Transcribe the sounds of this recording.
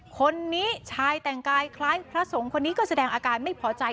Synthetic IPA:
kʰo˧nːiː˦˥t͡ɕʰaː˧jt̪ɛ˨˩ŋkaː˧jkʰlaː˦˥jpʰɾa˦˥so˩˦ŋkʰo˧nːiː˦˥kɔː˥˩sa˧dɛː˧ŋʔaː˧kaː˧nma˥˩jpʰɔː˦˥t͡ɕa˧j

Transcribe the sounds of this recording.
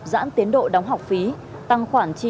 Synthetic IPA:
za̰ː˧˥nt̪i˨˦ənɗo̰˧˨ɗa˨˦wŋ͡mɦa˨˩wk͡p̚fi˨˦ | t̪a˧ŋxwaː˧˩nt͡ɕi˧

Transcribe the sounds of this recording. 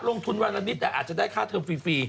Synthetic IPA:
lo˧ŋt̪ʰu˧nwaː˧nlʔa˧ni˦˥t̪̚ːɛː˨˩ʔaː˨˩t̪̚t͡ɕa˨˩daː˥˩jkʰaː˥˩t̪ʰɤː˧mfiː˧fiː˧

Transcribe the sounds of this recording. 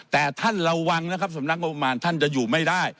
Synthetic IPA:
t̪ɛː˨˩t̪ʰa˥˩nɾa˧wwa˧ŋn˦kʰa˦˥p̚sa˨˦mna˦˥k̚o˧pːa˧maː˧nt̪ʰa˥˩nt͡ɕa˨˩juː˨˩ma˥˩jdaː˥˩j

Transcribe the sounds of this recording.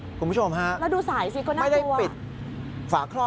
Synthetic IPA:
kku˧mpʰu˥t͡ɕʰo˧mɦa˦˥ʔlɛː˦˥duː˧saː˩˦jsi˧˦kɔː˥˩nː˥˧a˥˩jda˥˩˧pi˨˩t̪̚ | faː˨˩kʰɾɔː˥˩

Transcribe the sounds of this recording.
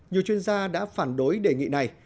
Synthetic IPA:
ɲi˨˩əwt͡ɕwi˧ənzaː˧ɗa̰ː˧˥faː˧˩nɗo˨˦jɗe˧˩ŋḭ˧˨na˨˩j

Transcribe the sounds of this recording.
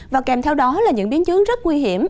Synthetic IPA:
vaː˨˩kɛ˨˩mt̪ʰɛ˧wɗɔ˨˦laː˨˩ɲɨ̰˧˥ŋɓi˨˦ənt͡ɕɨ˨˦əŋzə˦˥t̚ŋwi˧ɦi˧˩əm

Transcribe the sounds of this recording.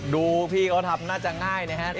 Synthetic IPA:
duː˧pʰiː˥˩kʰa˦˥t̪ʰa˧mnaː˥˩t͡ɕa˨˩ŋaː˥˩jna˦˧˩ɦʰa˦˥ʔ

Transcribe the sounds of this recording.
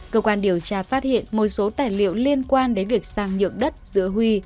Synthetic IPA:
kəː˧kwaː˧nɗi˧˩əwt͡ɕaː˧faː˦˥t̚hḭ˧˨ənmo˨˩t̚so˨˦t̪aː˧˩jlḭ˧˨əwli˧ənkwaː˧nɗe˨˦vi˨˩ək̚saː˧˩ŋɲɨ̰˧˨əŋɗə˦˥t̚zɨ̰˧˥əɦwi˧

